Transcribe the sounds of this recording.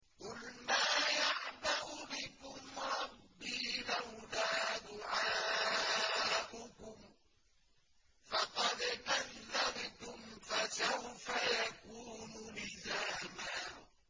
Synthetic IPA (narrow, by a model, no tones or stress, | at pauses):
qʊlmaːjaʕbaɣʊbɪkʊmɾˤɑbːiːlawlaːd̪ʊʕaː | ʔʊkʊm | fɑqɑd̪ʔanːabt̪ʊmfasawfajakuːnʊnɪzaːmaː